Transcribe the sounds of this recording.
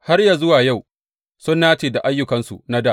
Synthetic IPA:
ha˦rja˨zʊ˦waː˨ja˦˨w | sʊ˦nːaː˦t͡ʃeː˨da˨ʔa˦jːʊ˦kɐ˨nsṵ˨na˦daː˦˨

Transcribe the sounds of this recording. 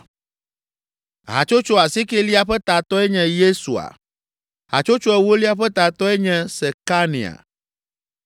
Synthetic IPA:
ɦa̰˨t͡ʃo˦t͡ʃo˦a˨si˦ke˦li˦a˦ɸɛ˦t̪a˨t̪ɔ˦ɛ˦ɲɛ̃˨je˦su˨a̰˨ | ɦa̰˨t͡ʃo˦t͡ʃo˦ɛ˦wo˦li˦a˦ɸɛ˦t̪a˨t̪ɔ˦ɛ˦ɲɛ̃˦sɛ˨ka˦nḭ̃˨a̰˨

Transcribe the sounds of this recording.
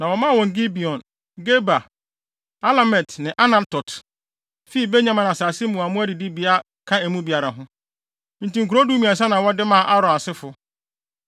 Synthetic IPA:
nã˨wɔ˨mã˦˨wɔ̃˨ŋɡi˦bi˨ɔ̃˨n | ɡe˦ba˨ | a˦la˨mɛ˨tnɪ̃˨ʔa˦nã˨tɔ˨t | fi˦i˦˨be˦ɲã˦mã˨nã˨saː˨sɪ˦mũ˨a˨mʊ̃˦æ˦di˨di˦bi˨a˦ | kʰã˦æ˨mũ˦bi˨a˨ɾa˨ɦʊ̃˦ | n̩˨tĩ˨ŋ̩˨ku˨ɾo˦du˦mĩ˨a˨s̬a˦nã˨wɔ˦dɪ˦mã˦˨ʔa˦ɾɔ̃˨a˨sɪ˦fʊ˨

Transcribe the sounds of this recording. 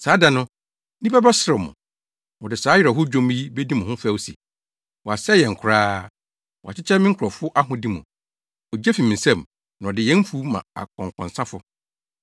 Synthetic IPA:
saː˨˦dã˨nʊ̃˦ | ni˦pa˦ba˦sɾɪ˨mʊ̰̃˨ | wɔ˨dɪ˨saː˨˦jɪ˨ɾɛ˨ɦʊ˦d͡ʑᶣõ˦m˦i˦be˦di˦mʊ̃˨hʊ̃˦fæ˦˨wsi˨ | wɔ˨a˨sɛ˦jɛ̃˨ŋ̩˨kʰʊ˨ɾaː˦ | wa̰˨t͡ɕʰɪ˦t͡ɕʰɛ˦mɪ̃˦ŋ˦kʰʊ˨ɾɔ˨fʊ˦ʔa˦ɦʊ̃˦di˦mũ˨ | ɔ˨d͡ʑɛ˦fi˨mɪ̃˨n̩˨sɛ̃˦m | nã˨ɔ˨dɪ˨jɛ̃˦m˦fu˦mã̰˨a̰˨kʰɔ̃˨ŋ˨kʰɔ̰̃˨n˨sã˦fʊ˨

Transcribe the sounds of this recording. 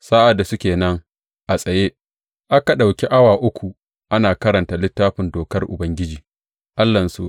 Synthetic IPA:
sa˦ʔa˨dːa˨sʊ˦kʲeː˨nɐ˦ŋ | ʔa˨sʼɐ˨jeː˦ | ʔa˦ka˨ɗa˨wkʲe˦ʔa˦waː˨ʔʊ˦kʷʰu˨ | ʔa˦naː˨kɐ˦ɾɐ˨ntaː˨lɪ˦tːaː˦ɸɪ˨ndoː˨kɐ˦rʔʊ̰˨bɐ˦ŋɡʲɪ˦d͡ʒiː˨ | ʔa˦lːɐ˨nsu˦

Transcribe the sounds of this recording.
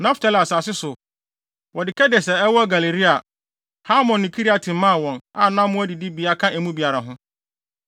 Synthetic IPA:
nã˦ftʰa˦˨la˨saː˨sɪ˦sʊ˨ | wɔ˨dɪ˨kʰɛ˦dɛ˨sɛ˨ɛ˦wɔ˦ɡa˨le˨ɾi˦a˨ | ha˦mɔ̃˨nːĩ˨kʰi˦ɾi˦a˨tʰɪ̃˨m˦mã˦˨wɔ̃˨na˨nã˦mʊ̃˦æ˦di˨di˦bi˨a˦kʰã˦ɛ˨mũ˦bi˨a˨ɾa˨ɦʊ̃˦

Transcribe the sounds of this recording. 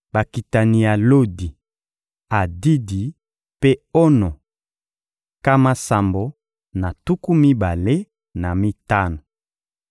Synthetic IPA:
ba˨ki˨ta˨ni˨ja˨lo˦di˨ | a˨di˦di˨ | pe˦ɔ˦nɔ˨ | ka˦ma˦sa˨mbo˨ | na˨tu˦ku˦mi˦ba˨le˦ | na˨mi˦ta˦no˨

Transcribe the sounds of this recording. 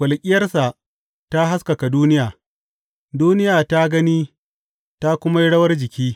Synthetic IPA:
kʷɐ˨lkʲʼɪ˦jɐ˦rsa˨ | ta˦ɦa˦ska˨ka˨duː˦nɪ˦jaː˨ | duː˦nɪ˦jaː˨ta˦ɡɐ˦niː˦ | ta˦kʷʊ˦ma˦ji˦ɽɐ˦wɐ˦rd͡ʒɪ˨kʲiː˦

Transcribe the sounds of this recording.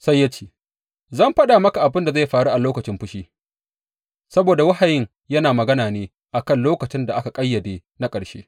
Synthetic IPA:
sa˦jːa˦t͡ʃe̥ː˦ | zɐ˦mɸɐ˦ɗa˨mɐ˦ka˨ʔa˨bɪ˦nda˨za˦˨jɸaː˨ɽu˦ʔa˨loː˦kɐ˨t͡ʃɪ˦mɸʊ˦ʃiː˦ | sɐ˦boː˨da˨wɐ˦ha˨jɪ˦ŋ | jɐ˦naː˨mɐ˨ɡɐ˦naː˨neː˦ | ʔa˨kɐ˦nloː˦kɐ˨t͡ʃɪ˦nda˨ʔa˦ka˨kʼɐ˦jːɐ˨deː˦na˦kʼɐ˨ɽʃḛː˦

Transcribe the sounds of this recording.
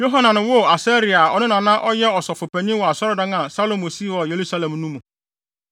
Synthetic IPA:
jo˦ɦa˦nã˨nʊ̃˨wʊ˦˨a˨sɛ˦ɾi˨a˨ɔ˨nʊ̃˦nã˨nã˦ʔɔ˦jɛ˦ɔ˨sɔ˨fʊ˨pɛ˨ɲĩ˦wɔ˨a˨sɔ˦ɾɔ˦dã˦ŋã˨sa˦lo˦mo˨si˦wɔ˨je˨ɾu˦sa˦lɛ̃˨mnũ˦mũ˨

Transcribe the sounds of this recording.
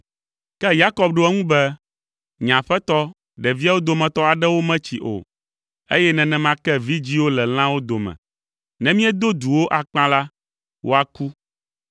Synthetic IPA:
kɛ˦ja˦kɔ˦b̚ɖo˦ɛ˦ŋũ˦bɛ˦ | ɲã˨ɸɛ˦t̪ɔ˦ | ɖɛ˨vi˦a˦wo˦d̪o˨mɛ̃˨t̪ɔ˦a˨ɖɛ˦wo˦mɛ̃˦t͡ɕi˨ʔo̰˨ | e˦jɛ˦nɛ̃˨nɛ̃˨mã˦kɛ˦vi˦d͡ʑi˦wo˦lɛ˨l̃ã˦wo˦d̪o˨mɛ̰̃˨ | nɛ̃˦mĩ˦ɛ˦d̪o˦d̪u˨wo˦ʔa˨k͡pã˦la˦ | wo̰˦a˨ku˦

